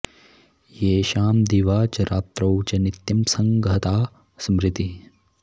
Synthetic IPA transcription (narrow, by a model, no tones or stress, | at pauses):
jeːʃaːmd̪iʋaːt͡ʃɐɾʔaːt̪ɾɐwt͡ʃɐnit̪jɐmsɐŋɡɐt̪aː | smɾɪt̪i